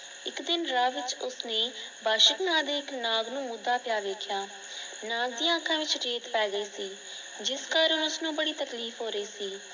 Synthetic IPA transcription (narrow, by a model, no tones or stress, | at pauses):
ɪkd̪ɪnɾaːʋɪt͡ʃʊsneːbaːʃəknãːd̪eːɪknaːɡnũːmʊd̪ːaːpɪjaːʋeːkʰjaː | naːɡ̚d̪ĩjãːəkʰːãːʋɪt͡ʃɾeːt̪pɛːɡəeːsiː | d͡ʒɪskaːɾənʊsnũːbəɽiːt̪əkliːfʰɦoːɾəiːsiː